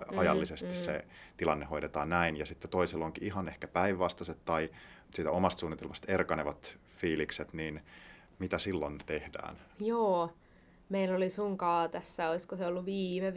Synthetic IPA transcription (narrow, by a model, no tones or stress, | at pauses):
ɑjɑ̰lːisest̪issḛt̪ilɑnːehoidet̪ɑ̰ːnnæinjɑsit̪ːet̪oiseloŋkiiɦɑnehkæpæiʋːɑst̪ɑset̪tɑisiːt̪æomɑst̪suːnːit̪elmɑst̪erkɑneʋɑt̪ | fiːlikset̪niːn | mit̪æsilːont̪ehdæ̰ːnjoː | meilolisuŋkɑːt̪æsːæoiskoseolːuʋiːme